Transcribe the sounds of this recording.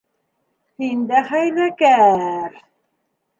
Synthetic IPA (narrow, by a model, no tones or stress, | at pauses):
hind̪æχæjlækæɾ